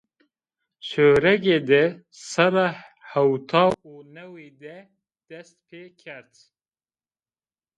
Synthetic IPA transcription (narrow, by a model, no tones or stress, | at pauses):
ʃøːɾɛɡeːd̪ɛ | sɛɾahɛwt̪ʰɑːunɛwed̪ɛ | d̪̥ɛst̪̚pʰeːkʰɛɾt̪